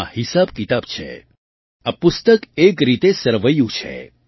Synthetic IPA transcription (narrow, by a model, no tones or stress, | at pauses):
hisabkit̪abt͡ʃʰḛ | apʊst̪əkekɾit̪esəɾʋəjũt͡ʃʰḛ